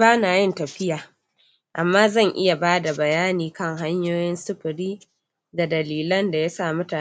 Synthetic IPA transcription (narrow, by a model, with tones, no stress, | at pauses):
baː˦naː˨jɪ˦ntɐ˨ɸɪ˦jaː˨ | ʔa˨mːaː˦zɐ˦˨ŋʔɪ˦ja˨baː˦da˨bɐ˨jaː˦niː˨kɐ˦ŋɦa˦ɲjoː˦jɪ˦nsʊ˦ɸɪ˨ɾiː˦ | da˨dɐ˨liː˨lɐ˦nda˨ja˦saː˦˨mʊ˦taː˨